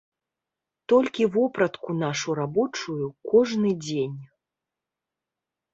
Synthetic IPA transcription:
t̪ɔlʲkʲivɔpɾɐt̪kunaʂuɾabɔt͡ʂujukɔʐnɨd͡zʲenʲ

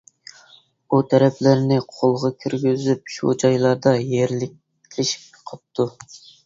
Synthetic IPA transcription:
ut̪ʰɛɾɛpʰlɪɾnɪqʰolˠʁɑkʲʰyɾɡʲyzyp̚ʃo̰d͡ʒɑjlˠɑɾd̪ɑjeɾlɪk̚ʲʰ | lɪʃi̥p̚ʲqʰəp̚t̪ʰu

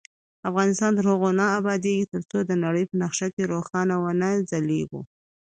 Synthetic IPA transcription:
afɣɑnɪst̪ɑnd̪əɾoɣonɑabɑd̪eɡit̪əɾt͡sod̪ənaɽəjpənaxʃakeɾoxɑnawənazaleɡṵ

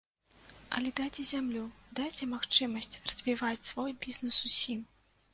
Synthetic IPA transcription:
ɐ̰lʲɛd̪at͡sʲɛzʲamlʲud̪ajt͡sʲɛmaxt͡ʂɨmɐsʲt͡sʲrɐzʲvʲivat͡sʲsvɔjbʲiznɨsusʲim

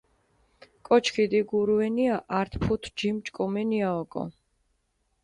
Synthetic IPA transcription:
kʼɔt͡ʃʰkʰid̪iɡuɾuɛniaʔaɾt̪ʰpʰut̪ʰd͡ʒimt͡ʃʼkʼɔmɛniaɔkʼɔ̰

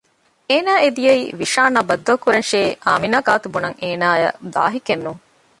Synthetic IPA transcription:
eːnaːed̪ijeḭːʋiʃaːnɐbɐd̪ːɐkuɾɐnʃeːʔa̰ːminaːɡaːt̪ubunɐŋeːnaːjɐ̰d̪a̰ːɦikenːuŋ

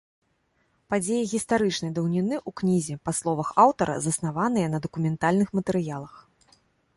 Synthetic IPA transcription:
pad͡zʲejiɣʲist̪aɾɨt͡ʂnɐjd̪ɐwnʲinɨʔuknʲizʲɛpaslˠɔvɐxawt̪ɐɾʔɐ̰zɐsn̪avanɨjɐnɐd̪ɐkumʲɛnt̪alʲnɨxmɐt̪ɛɾɨjalˠɐx

